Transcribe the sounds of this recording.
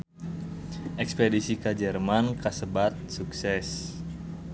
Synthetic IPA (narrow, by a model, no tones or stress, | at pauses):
ʔɛkspedisikəd͡ʒərmankasəbat̪̚suksɛs